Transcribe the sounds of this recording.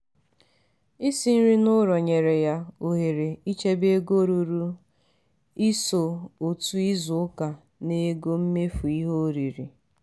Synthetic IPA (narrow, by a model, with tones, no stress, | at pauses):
i˦si˨n̩˦ɾi˦nʊ˦ɾɔ˨ɲe˨ɾe˨ja˦o˨ɦe˨ɾe˨i˦t͡ʃe˦be˦ɡo˦ɾu˨ɾu˦ | i˦so˨o˨tu˦i˦zʊ˨ʊ˦ka˨ | ne˨ɡo˦m̩˦me˦fu˨i˦ɦo˦ɾi˨ɾi˨